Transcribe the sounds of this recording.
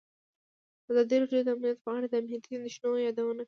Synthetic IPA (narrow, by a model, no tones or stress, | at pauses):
azɑd̪iɾɑɖjod̪əamnijat̪pɑɽed̪əamniat̪inɪʃnojɑd̪awənak